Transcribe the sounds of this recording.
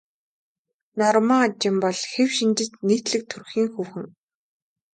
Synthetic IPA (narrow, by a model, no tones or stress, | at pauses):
nɔrmaːt͡ɕɪmpɔɮxewʃint͡ɕɪ̆tneːt̪ɮɘ̆k̚t̪ʰɵrxiːŋxuːwxɘ̆ŋ